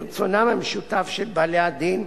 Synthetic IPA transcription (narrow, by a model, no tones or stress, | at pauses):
t͡sonamameʃut̪afʃelbalead̪in